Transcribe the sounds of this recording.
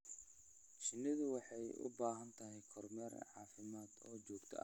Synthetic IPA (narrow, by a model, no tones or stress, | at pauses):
t͡ʃɪnɪðʊwɑħɑjʔʊ̰baːɦɐnt̪ʰɐɦɛjkʰɔrmɛr̰ʕɑːfɪmaːd̪ɔːt͡ʃɔːɡt̪ʰɔ̰ʔɐ̰